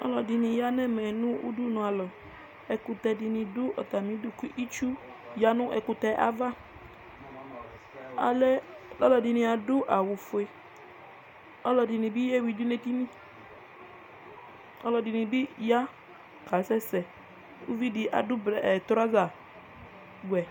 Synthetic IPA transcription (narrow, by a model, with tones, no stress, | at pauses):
ɔ̰˦lɔ˨dɪ˨nĩ˧ja˦nɛ˦˨mɛ˨nʊ̃˦ṵ˦du˦nɔ̃˨a˨lɔ˨ | ɛ˨kʊ˧t̪ɛ˧dɪ˨nĩ˨dʊ˦ʔɔ˨ta˨mĩ˨˦dʊ˦ku˦ʔi˦t͡ʃu˦ | ja˦nʊ̃˦ʔɛ˨kʊ˧tɛ˦ʔa̰˦va˦ | a˨lɛ˦ | lɔ˦lɔ˨di˨nĩ˧a˨dʊ˦ʔa˨wʊ˨fʊ˨e˨ | ɔ˦lɔ˨dɪ˨nĩ˨bi˦jɛ˦wi˨du˦ne˦t̪i˦nĩ˦ | ɔ̰˦lɔ˨dɪ˨nĩ˨bi˦ja˦ | ka˨˦sɛ˦sɛ˨ | u˦vi˦di˨ʔa̰˨dʊ˦bɛ˨t̪ɾa˦za˨ | ɡu˨ɛ˨